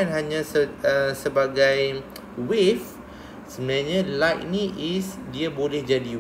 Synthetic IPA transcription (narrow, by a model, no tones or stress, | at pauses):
anɦaɲãsəəsəbaɡaj | wif | səmnaɲãlajk̚nĩʔisdiabolɛhd͡ʒadi